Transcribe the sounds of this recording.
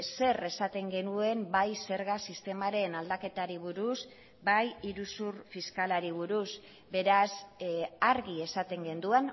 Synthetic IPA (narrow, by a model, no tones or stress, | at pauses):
se̞re̞sat̪e̞ŋɡe̞nue̞mbajse̞ɾɣasist̪e̞maɾe̞nald̪ake̞t̪aɾiβ̞uɾus | bajiɾusuɾfiskalaɾiβ̞uɾus | be̞ɾasaɾɣie̞sat̪e̞ŋɡe̞nd̪uan